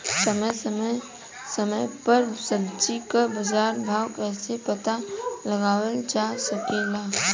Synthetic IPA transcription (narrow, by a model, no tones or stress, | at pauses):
səmə | səməjpəɾsəbd͡ʒikabəd͡ʒaːɾbʱaːwkɛːsepət̪aləɡaːwəld͡ʒasəkelaː